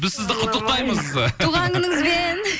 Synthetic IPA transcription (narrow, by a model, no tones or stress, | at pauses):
bɪzsɪzd̪ɪqʰʊt̪ːəq̚t̪ɑjməzt̪ʰuʁɑŋɡənəŋəzben